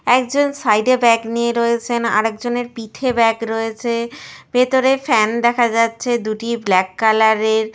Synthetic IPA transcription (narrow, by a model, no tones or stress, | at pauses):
ɛkd͡ʑonsajɖebɛknieɾɔet͡ɕʰena̰ɾɛk̚d͡ʑoneɾpit̪ʰebɛkɾɔet͡ɕʰeb̥et̪oɾefɛnd̪ɛkʰad͡ʑatːɕʰed̪uʈiblɛkːalaɾeɾ